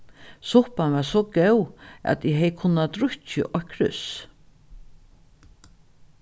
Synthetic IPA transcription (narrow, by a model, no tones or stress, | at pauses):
sʊhpanvaɾsɔkɛwæ̰t̪ɪɦɛjkʰʊnːat̪ɾʊt͡ʃə̰ʔɔkʰɾʏs